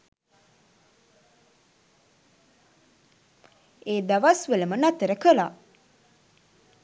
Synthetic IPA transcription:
eːd̪aʋasʋeləmənat̪əɾəkəla

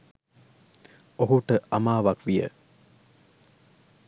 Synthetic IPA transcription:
oɦuʈəʔɐmaːʋɐkʋijə̰

